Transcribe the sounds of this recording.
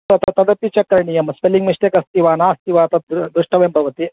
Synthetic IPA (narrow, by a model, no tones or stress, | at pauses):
t̪ɐt̪ɐt̪ɐd̪ɐpːit͡ʃɐkɾɐɳijɐmɐspeliŋɡmiʂʈ̪ekɐst̪iʋaːnaːɐst̪iʋaːt̪ɐd̪d̪ɾuʂʈɐʋembʱɐʋɐt̪i